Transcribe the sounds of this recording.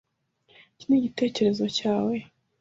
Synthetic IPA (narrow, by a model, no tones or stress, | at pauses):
ciniɟite̞ːce̞ɾe̞zo̞caːwe̞